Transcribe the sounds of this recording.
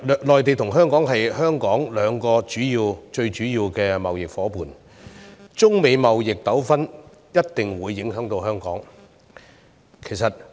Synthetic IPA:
lɔː˨jt̪e˨jt̪ʰʊ˨˩ŋɦœː˥ŋkɔː˨˥ŋɦɐ˨jhœː˥ŋkɔː˨˥ŋlœː˨˧ŋkɔː˧t͡ʃyː˨˥jiː˧wt͡ʃɵ˧ɥt͡ʃyː˨˥jiː˧wkɛː˧mɐ˨wjɪ˨k̚fɔː˨˥puː˨n | t͡sʊ˥ŋme˨˧jmɐ˨wjɪ˨k̚t̪ɐ˨˥wfɐ˥n | jɐ˥t̚t̪ɪ˨ŋwuː˨˧jːɪ˨˥ŋɦœː˨˥ŋt̪o˧whœː˥ŋkɔ̰ː˨˥ŋ | kʰe˨˩jsɐ˨t̚

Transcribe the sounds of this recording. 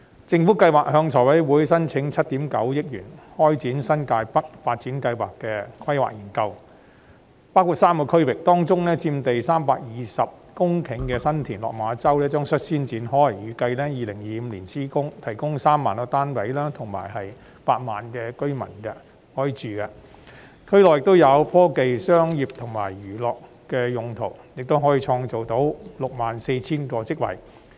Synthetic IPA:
t͡sɪ˧ŋfuː˨˥kɐ˧jwaː˨k̚hœː˧ŋt͡ʃʰɔː˨˩jwɐ˨˥jwuː˨˥jsɐ˥nt͡sʰɪ˨˧˥ŋt͡sʰɐ˥t̚t̪i˨˥mkɐ˨˥wjɪ˥k̚jy̰ː˨˩nhɔː˥jt͡siː˨˥nsɐ˥nkaː˧jpɐ˥t̚faː˧t̚t͡siː˨˥nkɐ˧jwaː˨˩kːɛ˧kʰɐ˥jwa̰ː˨k̚jiː˨˩nkɐ˧w | paː˥wkʰu˨t̚saː˥mkɔ˧kʰɵ˥ɥwɪ˨k̚t̪ɔː˥ŋt͡sʊ˥ŋnɛː˥t͡siː˧mt̪e˨jsaː˥mpaː˧k̚jiː˨sɐ˨p̚kʊ˥ŋkʰɪ˨˥ŋkɛː˧sɐ˥nt̪ʰiː˨˩nlɔ̰ː˨k̚maː˨˧t͡sɐ˥wlɛː˥t͡ʃœː˥ŋsɵ˥t̚siː˥nt͡siː˨˥nhɔː˥jɐ˨˩jjyː˨˧kɐ˧jlɛː˥jiː˨˩lɪ˨˩ŋjiː˨˧m̩˧liː˨˩nsʰiː˥kʊ˥ŋt̪ʰɐ˨˩jkʊ˥ŋsaː˥mːa̰ː˨nɔː˧t̪aː˥npɐ˨˥jlaː˥t̪ʰʊ˨˩ŋma̰ː˨˩jhɐ˨j | paː˧t̚ma̰ː˨nkɛː˧kɵ˥ɥmɐ̰˨˩nkɐ˧ | hɔː˨˥ji˨˧t͡ʃyː˨kɐ˧ | kʰɵ˥ɥlɔː˨jɪ˨k̚t̪o˥wjɐ˨˧wfɔː˥ke˨jsœː˥ŋjiː˨p̚t̪ʰʊ˨˩ŋma̰ː˨˩jjyː˨˩lɔː˨k | kɛː˧jʊ˨˧ŋt̪ʰo˨˩wjɪ˨k̚t̪o˥wɦɔː˨˥jiː˧t͡ʃʰɔː˧ŋt͡so˨wt̪o˨˥wlʊ˨k̚maː˨nse˧jt͡sʰiː˥nkɔː˧t͡sɪ˥k̚wɐ̰˨˩j

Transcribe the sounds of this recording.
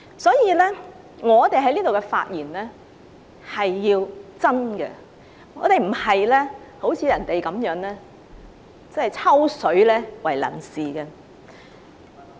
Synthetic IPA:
sɔː˨˥jiː˨˧lɛː˥ | ŋɔː˨˧t̪e˨jɦɐ˨˥jliː˥t̪o˨wkɛ˧fa̰ː˧t̚jiː˨˩nlɛː˥ | hɐ˨jːiː˧wt͡sɐ˥nɡɛ̰˧ | ŋɔː˨˧t̪e˨jm̩˨˩hɐ˨jlɛː˥ho˨˥wt͡sʰiː˨˧jɐ˨˩nt̪e˨jkɐ˨˥mjœː˨˥ŋlɛː˥ | t͡sɐ˥hɐ˨jt͡sʰɐ˥wsɵ˨˥ɥlɛː˥wɐ˨˩jlɐ̰˨˩nsiː˨˩ɡɛ˧

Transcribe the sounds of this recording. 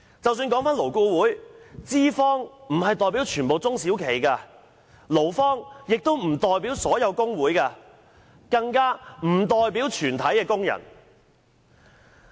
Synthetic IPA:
t͡sɐ˨wsyː˧nkɔː˨˥ŋfaː˥nlo˨˩wko˧wuː˨˥jt͡siː˥fɔː˥ŋm̩˨˩hɐ˨jt̪ɔː˨˩jpi˨˥wt͡ʃʰyː˨˩npo˨wt͡sʊ˥ŋsiː˨˥wkʰe˨˩jkaː˧ | lo˨˩wfɔː˥ŋjɪ˨k̚t̪o˥wm̩˨˩t̪ɔː˨jpiː˨˥wsɔː˨˥jɐ˨˧wkʊ˥ŋwuː˨˥jkaː˧ | kɐ˧ŋkaː˥m̩˨˩t̪ɔː˨jpiː˨˥wt͡ʃʰyː˨˩nt̪ʰɐ˨˥jkɛː˧kʊ˥ŋjɐ̰˨˩n

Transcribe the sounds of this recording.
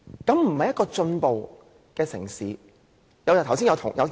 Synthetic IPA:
kɐ˨˥mm̩˨˩hɐ˨jɐ˥tkɔː˧t͡ʃɵ˧npo˨w | kɛː˧sɪ̰˨˩ŋsiː˨˧ | jɐ˨˧wjt̪ʰwsiː˥jɐ˧t̪ʰʊ̰˨˩ŋjɐ˨˧w

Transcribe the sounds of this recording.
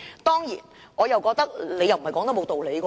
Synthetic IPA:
t̪ɔː˥ŋjiː˨˩nɔː˨˧jɐ˨˩wkɔː˧k̚t̪ɐ˥k̚le˨˧jɐ˨wm̩˨˩ɐ˨jkɔː˨˥ŋt̪ɔ˥mo˨˧wt̪o˨wle˨˧jkɔ˧

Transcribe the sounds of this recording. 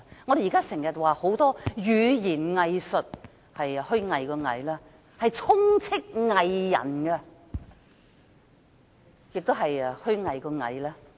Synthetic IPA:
ŋɔ˨˧ɾe˨ji˨kaː˥sɪ˨˩ŋjɐ˨t̚waː˨˧ho˨˥wt̪ɔː˥jyː˨˧jiː˨˩nŋɐ˨˧jsɵ˨t̚ | hɐ˨jhɵ˥ɥŋɐ˨˧jkɔː˧ŋɐ̰˨˧jlaː˥ | hɐ˨jt͡sʰʊ˥ŋt͡sʰɪ˥k̚ŋɐ˨jːɐ̰˨˩nkɛ˧ | jɪ˨k̚t̪o˥wɦɐ˨jhɵ˥ɥŋɐ˨jkɔː˧ŋɐ̰˨˧jlaː˥

